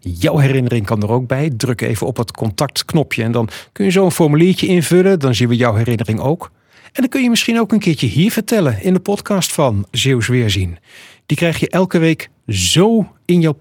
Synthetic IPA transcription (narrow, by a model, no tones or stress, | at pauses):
jʌwɦɛrɪnərɪŋkɑndərowɡ̚bɛjdrɵkḛjvənɔpɦətkɔntɑk̚tknɔpʰjəɛndɑnkɵnjəzowənfɔɹmyliːɹcəɪnvɵlədɑnzinʋəjɔwɦɛrɪnərɪŋo̰wk | ɛndɑnkɵnjəmɪsχinowkənkɪːɹt͡ʃəɦiːɹv̥əɹtɛlənɪndəpɔtkɑːstfɑnzewsʋɪːɹzind̥ikrɛjχjəʔɛlˠkəʋejk | zow | ɪnjɔw